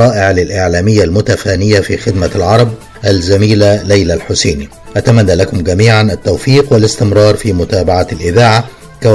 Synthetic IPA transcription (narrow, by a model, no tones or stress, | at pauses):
ɑːʔɪʕlɪlʔɪʕlaːmɪjːalmʊt̪afaːnɪjːafiːxɪd̪malʕɑɾˤɑb̚ | ʔalzæmiːlalæjlalħʊseːni | ʔat̪amænːaːlakʊmɡæmiːʕanʔat̪ːawfiːqwɪlɪst̪ɪmɾˤɑːɾˤfiːmʊt̪aːbaʕaalʔɪðaːʕa | kæ